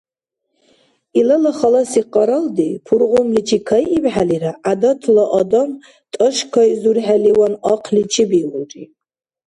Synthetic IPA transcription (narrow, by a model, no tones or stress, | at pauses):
ilalaχalasiqʼɑɾald̪ipʰuɾʁʊmlit͡ʃʰikʰajibħaliɾaʔad̪at̪ʰlaʔɔd̪am | t̪ʼəʃkʰajzuɾħaliwanɑqʰlit͡ʃʰibiluʈ͡ʂʼi